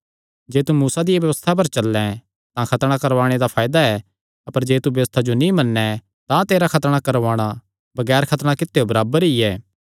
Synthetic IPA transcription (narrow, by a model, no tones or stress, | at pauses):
d͡ʒeːt̪umuːsad̪ɪjebjɐʋəst̪ʰap̬ɐɾt͡ʃɐlːɛ̃ | t̪ãkʰɐt̪ɽ̃ãkɐɾʋaːɽ̃ed̪apʰaːjd̪aɛ | ɐpəɾd͡ʒeːt̪ubjɐʋəst̪ʰad͡ʒonĩmɐnːɛ | t̪ãt̪eːɾakʰɐt̪ɽ̃akɐɾʋaːɽ̃a | bɐɡɛːɾkʰɐt̪ɽ̃ãkɪt̪ːeobɐɾaːbəɾiɛː